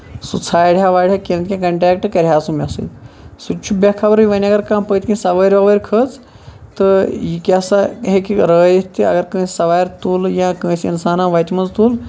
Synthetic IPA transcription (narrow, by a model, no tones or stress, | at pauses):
sut͡sʰaːjɽʲjaʋaːɽʲjakʲẽnt̪kʲãkɐɳʈɾʲɛːkʈkɐɾʲɦaːsumʲasɨ̰ːt̪sut͡ʃʰubakʰɐbɾjiʋɐnʲɐɡɐɾkãːmpət̪ʲkĩsɐʋəːɾʲʋɐʋəːɾʲkʰəːt͡s | t̪ɨjikʲasaɦekʲɾəːjit̪iɐ̰ɡɐɾkə̃ːsɐʋaːjɾt̪uljãːkə̃ːsinsaːnãʋɐt̪ʲmɐnzt̪uːl